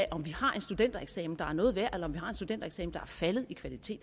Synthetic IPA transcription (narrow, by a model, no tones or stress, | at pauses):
ʔɒ̽mʋihɑ̈ʔe̝nsd̥ud̥en̰d̥ɐeɡ̥sɛ̰ːmn̩d̥ɑ̈æɐnɔ̽ːð̩ˠʋæɐ̰ʔelɐɒ̽mʋihɑ̈e̝nsd̥ud̥en̰d̥eɡ̥sɛ̰ːmn̩d̥ɑ̈æɐfæləð̞̩ˠikʰʋælit͡sʰe̝̰ːd̥